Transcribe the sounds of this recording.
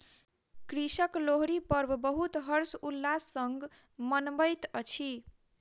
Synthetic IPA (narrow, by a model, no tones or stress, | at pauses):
kɾisəkloɦɾipəɾbʱbəɦut̪ɦʌɾsulːasːəŋɡ | mənbəjt̪ʌt͡ʃʰi